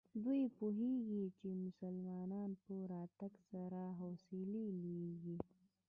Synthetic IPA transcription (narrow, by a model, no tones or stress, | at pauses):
d̪uipuɦiːɡit͡ʃimʊsəlmaːnaːnpuɾaːt̪ɐksɐɾaːɦoːsililiɡi